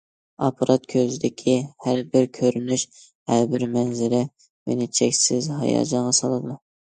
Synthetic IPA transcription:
ɑpʰɑɾʔɑt̪kʲʰøzɪd̪ɪkʲʰihæɾbɪɾkʲʰøɾynyʃ | hæɾbɪɾmɛnzɪɾɪ | mḛnɪt͡ʃʰɛkʲsɪzɦɑ̰jɑ̰ːd͡ʒɑɴʁɑsɑlˠɨd̪u

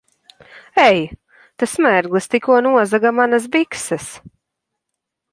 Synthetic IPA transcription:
ɛj | t̪asmæɾɡlˠɨst̪ikuɔnuɔzaɡamanas̬biksɨs

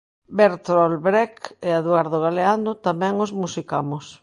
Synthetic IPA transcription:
beɾt̪ɾɔlβɾɛkeaðwaɾðoɣaleand̪ʊt̪amɛ̃ŋozmusikamʊs

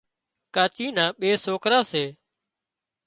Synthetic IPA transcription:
kaːt͡ʃiːnãːɓeːsoːkɾaːseː

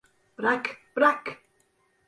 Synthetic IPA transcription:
b̥ɾakb̥ɾak

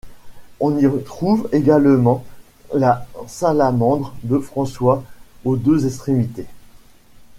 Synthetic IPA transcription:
ɔ̃niʁət̪χuveɡalmɑ̃ | lasalamɑ̃d̪ʁd̪əfχɑ̃swaod̪øzɛst̪χemit̪e

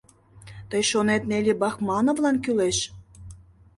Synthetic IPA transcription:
t̪əjʃonet̪̚nelʲebɑxmɑnŏvlˠɑnkyleʃ

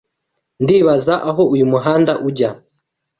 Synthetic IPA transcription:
ndiβazaʔaɦɔujumuɦandaʔuɟa

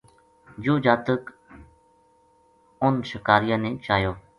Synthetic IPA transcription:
d͡ʒoːd͡ʒaːt̪ək | ʊnʃɪkaːɾɪjãːnẽːt͡ʃaːjoː

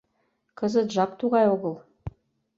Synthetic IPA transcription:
kə̆zə̆t̪ʒɑk̚t̪uʁɑjoɣə̆lˠ

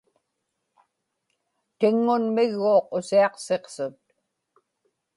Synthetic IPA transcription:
t̪ɪŋːʊnmɪɣːoːqʊsiɑqse̞qsʊt̪̚

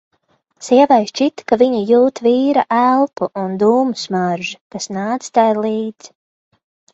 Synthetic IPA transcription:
siɛvajst͡ʃit̪kaviɲijuːt̪viːɾaʔælˠpuʔund̪uːmusmaɾʒikasnaːd̪zst̪ajlˠiːd̪z̥

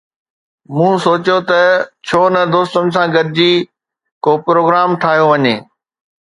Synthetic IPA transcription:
mũːsoːt͡ɕjot̪ɐt͡ɕʰoːnɐd̪oːst̪ənɪ̆sãɡɐɾɪd͡ʑiː | koːpɾoːɡɾaːmt̪ʰaːɦijoʋɐɲeː

